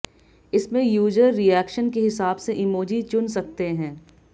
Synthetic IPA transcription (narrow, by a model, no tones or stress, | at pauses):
ɪsmẽjuːd͡ʒəɾːijɛːkʃənkeɦɪsaːbseʔɪmoːd͡ʒit͡ʃʊnsɐk̚t̪eɦɛ̃ː